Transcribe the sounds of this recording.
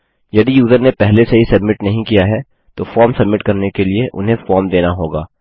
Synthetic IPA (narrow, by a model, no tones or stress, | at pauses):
jɐd̪ijuːzəɾnepɛɦleseɦisɐbmɪʈnɐɦĩkijaɦɛ | t̪ofɔːɾmsɐbmɪʈkɐɾnekelieʔʊ̰nɦẽfɔːɾmd̪eːnaɦoːɡaː